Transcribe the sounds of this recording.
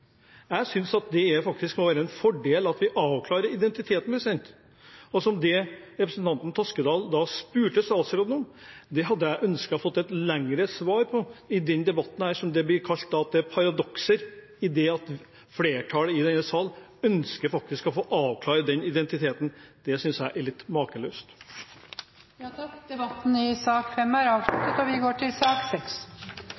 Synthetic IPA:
jæɪsʏnsɑt̪̚d̪ɛæɾfɑkt̪ɪskmɔʋæːɾəɛnfɔɖeːlɑt̪ʋɪʔɑːʋkʰlɑːɾəɾɪd̪ɛnt̪ɪt̪ʰeːt̪npʰɾɛsɛnt̪ | ɔsɔmd̪ɛɾɛpɾəsənt̪ʰɑnt̪n̩t̪ʰɔskəd̪ɑːld̪ɑspʉːʈəsɑːsəɾɔd̪nɔmd̪ɛɦɑd̪ːəjæɪʔœnskɑfɔt̪ːɛt̪læŋɾəsʋɑːɾpʰɔɪd̪ɛnd̪ɛbɑt̪ːn̩hæːʂɔmd̪ɛblɪɾkʰɑlt̪̚d̪ɑɑt̪̚d̪ɛæɾpʰɑɾɑd̪ɔksəɾ | ɪd̪ɛɑt̪ | fleːʈʰɑːləɪd̪ɛnːəsɑːlœnskəɾfɑk̚t̪ɪskɔfoːʔɑːʋkʰlɑːɾəd̪ɛnɪd̪ɛnt̪ɪt̪ʰeːt̪n̩d̪̥ɛsʏnsjæɪʔæɭɪt̪ːmɑːkəløːst̪ | jd̪ɛbɑt̪ːn̩ɪsɑːkfɛmæɾɑːʋʂʉt̪ət̪ɔʋɪɡoːʈʰɪlsɑːksɛks

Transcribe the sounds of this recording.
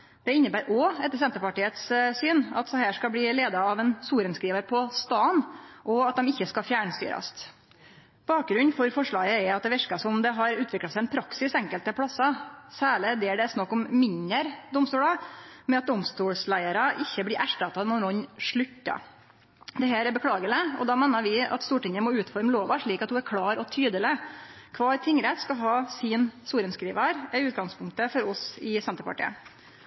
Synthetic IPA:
d̪̥ɛɪnːəbæːɾʔɔɛt̪ːəsɛnt̪əɾpɑʈiːət̪ssyːnɑ̰t̪sɔɦæːʂkɑbliːleːd̪ɑɑʋɛnsuːɾənskɾiːʋəɾpʰɔst̪ɑːnʔɔɑt̪̚d̪ɛmɪçːəskɑfjæːɳəst̪y̰ːɾɑ̰st̪ | b̥ɑːk̚ɡɾʉnːfɔɾfɔʂɭɑːɡəɛɾɑt̪̚d̪ɛʋɛʂkɑsɔmd̪ɛɦɑɾʉːt̪ʋɪklɑsæɪɛnpʰɾɑksɪsɛŋkəlt̪əpʰɽɑsːɑsæːɭəd̪ɛːæɖɛsnɑkːɔmmɪnəɾd̪ɔmst̪uːlɑmɛɑt̪̚d̪ɔmst̪uːɽslæɪəɾɑʔɪçːəblɪɾʔæʂʈɑt̪ɑnɔnɔnʂɭʉtːɑ̰ | d̪ɛɦæːɾɛɾbəkʰɽɑːɡələɔ̰d̪ɑːmɛnəɾʋɪɑ̰t̪st̪uːʈɪŋəmɔʉːt̪fɔɾmloːʋɑʂɭiːkɑt̪̚hʊæɾkʰlɑːɾɔt̪ʰyːd̪əlɪkʰʋɑːɾt̪ʰɪŋːɾɛt̪skɑlɦɑːsɪnsuːɾənskɾiːʋəɾɛʉːt̪̚ɡɑŋspʰʊŋk̚t̪əfɔɾɔsɪsɛnt̪əɾpɑ̰ʈḭːə̰

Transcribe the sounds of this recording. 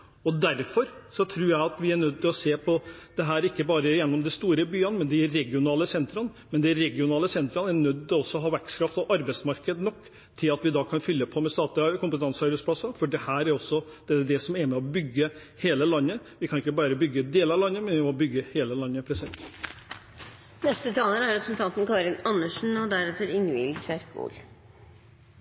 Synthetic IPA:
ɔd̪æɾfɔɾsɔt̪ʰɾʉːɾjæɪɑt̪ʋɪæɳœd̪̚t̪ɪlɔseːpʰɔd̪̥ɛɦæːɾɪkːəbɑːɾəjɛnːɔmd̪ɪst̪uːɾəbyːənmɛnd̪ɪæɾɛɡɪʊnɑːləsɛnt̪ɾɑn | mɛnd̪ɛæɾɛɡɪʊnɑːləsɛnt̪ɾɑnæɾnœd̪ːt̪ɛɔsːɔɦɑːʋæɾkskʰɾɑft̪ɔʔɑɾbæɪsmɑɾkəd̪nɔkː | t̪ʰːɪlɑt̪ʋɪd̪ɑːkʰɑnfʏlːəpʰɔmɛst̪ɑːt̪lɪkʊmpət̪ʰɑnsəɑɾbɛɪsplɑsːɑfɔɖɛhæːɾæɾɔsːɔd̪̥ɛd̪ɛsɔmɛɾmɛɔbʏɡːə | heːləlɑnːəʋɪkʰɑnɪkːəbɑːɾəbʏɡːəd̪eːlɑɾʋlɑnːəmɛnʋɪmɔbʏɡːəheːləlɑnːəpʰɾɛsɪɛn | nɛst̪ət̪ʰɑːləɾæɾɛpɾəsn̩t̪ʰɑnt̪n̩kʰɑːɾɪnɑnːəʂn̩ɑd̪æɾɛt̪ːəɾɪnʋɪ̰lsæɾko̰ːl

